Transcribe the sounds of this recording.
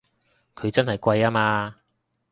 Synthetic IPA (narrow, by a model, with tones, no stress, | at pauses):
kʰɵ˨˧ɥt͡sɐ˥nɦɐ˨jkʷɐ˧jaː˥maː˧